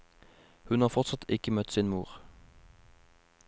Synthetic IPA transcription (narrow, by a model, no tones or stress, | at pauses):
hʉnhɑːʁfɔʁt̪sɑt̪ʰɪkəmœt̪siːnmuːʁ